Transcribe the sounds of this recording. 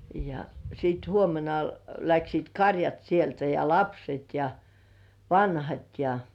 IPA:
jɑ siːt huomenɑ læksiːt kɑrjɑt sieltæ jɑ lɑpset jɑ ʋɑnhɑt jɑ

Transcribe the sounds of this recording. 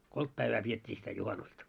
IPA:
kolt pæiʋæː pietʲːiː sitæ juhɑnustɑ

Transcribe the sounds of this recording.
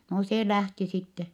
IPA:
no seː læhti sitːe

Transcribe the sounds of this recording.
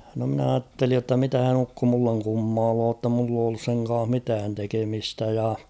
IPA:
no mn ɑːtːelij jotːɑ mitæhæn ukːo mulːeŋ kumːɑːloː tːɑ mulː oː olːus seŋ kɑːh mitæːn tekemistæ jɑ

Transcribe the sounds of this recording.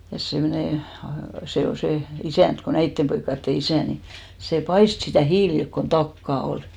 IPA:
jɑ semneˑ se ol se isæˑnt ko næitːem poikːɑtːe isæˑ ni seˑ pɑist sitæˑ hiːlilk kon tɑkːɑˑ ol

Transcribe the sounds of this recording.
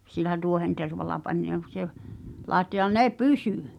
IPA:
silˑæ tuohenterʋɑlɑ pɑnʲ lɑˑetːo jɑ ne pysyˑ

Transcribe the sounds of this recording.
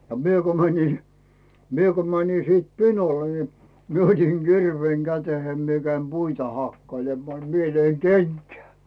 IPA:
ɑ mie ko mænʲi mie ko mænʲi siːt pinole ni mie otiŋ ɡ̊irʋeːŋ ɡ̊æteheim mie kæim b̥uitɑ hɑkːɑilemːɑː ni mie løiŋ kenkæː

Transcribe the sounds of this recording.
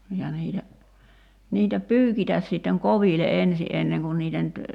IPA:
jɑ niːtæ niːtæ pˑyːkitæs sitːeŋ koʋile ʔensi ʔenːeŋ kun niːtæ nyt

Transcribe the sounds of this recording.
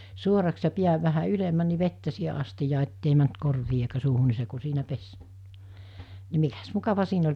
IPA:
suorɑks jɑ piæʋ ʋæhæ ylemːæn ni ʋetːæ siːhe ɑstijɑː etːei mænt korʋiː eikæ suːhu ni se ku siːnæ pes ni mikæs mukɑʋɑ siːn olʲ

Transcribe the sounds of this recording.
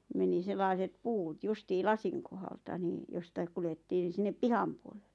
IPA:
meni selːɑˑĭset puːt justiː lɑsiŋ kohɑltɑ niː jostɑik kuletːiːn n̆ĭ sinːep pihɑm puolel̥ːe̥

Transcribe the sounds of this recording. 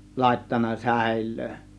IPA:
lɑˑe̝tːɑnˑɑ sæ̞ˑe̝lːøː

